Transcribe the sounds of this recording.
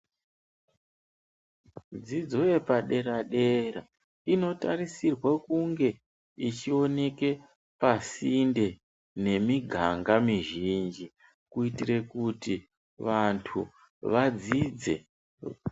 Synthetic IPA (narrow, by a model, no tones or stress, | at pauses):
d͡zid͡zo̞je̞paɗe̞ɾaɗe̞ɾa | ino̞taɾisirwekuŋɡe̞ | it͡ʃio̞ne̞ke̞ | pasinde̞ | ne̞miɡʱaŋɡamiʒind͡ʒi | kuitire̞kuti | ʋantʰu | ʋad͡zid͡ze̞̰